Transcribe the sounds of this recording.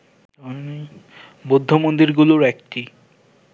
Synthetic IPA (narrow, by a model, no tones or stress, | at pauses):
ɔne | bod̪ʱːomond̪iɾɡuloɾɛkʈi